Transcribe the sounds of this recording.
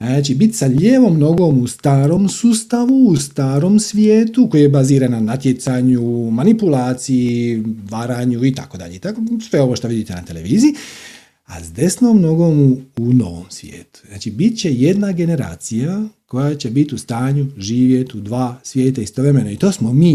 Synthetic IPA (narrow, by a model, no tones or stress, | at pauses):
naːt͡ʃibit̪saʎeʋo̞mno̞ɡo̞must̪aːɾo̞msust̪aʋuːst̪aːɾo̞msʋjeːt̪uko̞jajebaziːɾananat̪jet̪saɲumanipulaːt̪sijiʋaɾaːɲuit̪ako̞d̪a̰ʎeit̪akosʋe̞o̞ʋoʃt̪oʋid̪it̪enat̪ele̞̰ʋiːziji | a̰zd̪e̞snomno̞ɡo̞muuno̞̰ʋo̰msʋʲjḛːt̪u̥znaːt͡ʃibit̪t͡ɕe̞je̞d̪naɡe̞ne̞ɾa̰ːt̪sijako̞jat͡ɕe̞bit̪iust̪aːɲuʒiːʋje̞t̪ud̪ʋaːsʋje̞ːt̪aist̪oʋɾemenoit̪o̞ːsmomiː